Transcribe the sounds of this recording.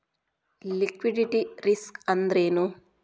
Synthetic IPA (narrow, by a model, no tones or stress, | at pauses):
likʋiɖiʈiɾiskɐnd̪ɾeːnu